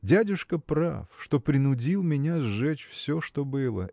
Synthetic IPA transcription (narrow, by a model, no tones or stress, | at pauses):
dʲædʲʊʂkəpɾa̰fʂt̪o̞pɾʲɪnʊdʲilˠmʲɪnʲazʐɛt͡ɕfsʲoʂt̪o̞bɨlˠə̰